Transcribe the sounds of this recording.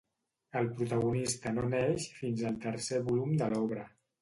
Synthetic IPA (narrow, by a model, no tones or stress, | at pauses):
əlˠpɾut̪əɣunist̪ənoneʃfinzəlˠt̪əɾseβulumd̪əlɔβɾə